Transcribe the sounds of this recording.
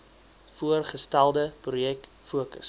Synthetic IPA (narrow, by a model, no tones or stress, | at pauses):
fuərχəstælˠdəprujɛk | fuəkə̰s